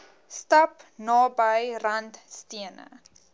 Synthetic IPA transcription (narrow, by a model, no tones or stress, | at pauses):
stɐpnɑːbəjrɐntstiənə̰